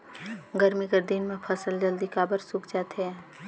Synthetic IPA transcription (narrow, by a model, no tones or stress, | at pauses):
ɡəɾmikəɾd̪ɪnmẽpʰəsəld͡ʒəld̪ikaːbəɾsʊkd͡ʒaːt̪ɛ